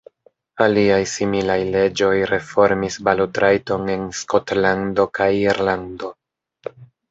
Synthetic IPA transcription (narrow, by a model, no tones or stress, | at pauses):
aliajsimilajle̞d͡ʒo̞jɾe̞fo̞ɾmisbalutɾajto̞ne̞nsko̞tlando̞kajiɾlando̞